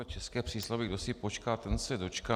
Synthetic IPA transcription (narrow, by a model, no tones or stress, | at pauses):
ɛt͡ʃɛskɛːpr̝̥iːslavɪɡdo̞sɪpo̞t͡ʃkaːt̪ɛnsɛdo̞t͡ʃka